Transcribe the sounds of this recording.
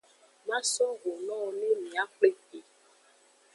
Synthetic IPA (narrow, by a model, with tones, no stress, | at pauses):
mã˦sɔ˦ɣo˨nɔ̃˦nĩ˦mĩ˨a˦k͡ple˦ke˨